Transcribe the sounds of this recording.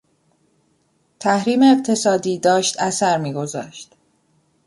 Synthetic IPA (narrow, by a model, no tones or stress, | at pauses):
t̪ʰæhɾiːmeːqt̪ʰe̞sɒːd̪iːd̪ɒːʃt̪æsæɾmiːɡo̞zɒ̰ːʃt̪